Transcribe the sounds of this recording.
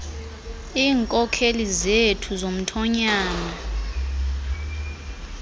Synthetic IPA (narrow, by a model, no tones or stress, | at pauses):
iːŋkʼɔkʰelizetʰuzom̩tʰɔɲaːna